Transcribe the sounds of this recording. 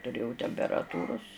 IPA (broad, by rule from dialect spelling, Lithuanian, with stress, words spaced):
tʊˈrʲeːjɛʊ tʲɛmʲpʲɛrɐˈtuːrʊs